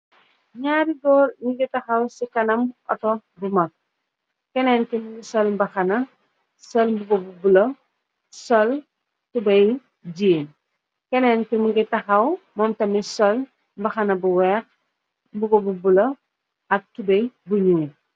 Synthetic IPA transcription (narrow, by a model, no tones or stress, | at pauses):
ɲaɾiɡɔlɲiɡitɐxɐwsikɐnɐmɔ̰tɔbumɐk̚ | kɛnɛːnkimuɡisɔlmbɐxɐnɐ | sɔlmbuɡobubulɐ | sɔl | tubɐj | ɟiːn | kɛnɛnkimuɡitɐxɐw | mɔmtɐmisɔl | mbɐxɐnɐbuwɛːx | mbuɡobubulɐ | ɐk̚tubɐjbuɲuː